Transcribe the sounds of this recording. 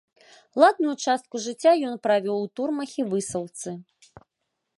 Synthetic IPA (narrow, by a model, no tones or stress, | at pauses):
lˠad̪̚nujut͡ʂast̪̚kuʐɨt͡sʲːajɔnpɾavʲɔwt̪urmɐxʲivɨsɐwt̪sɨ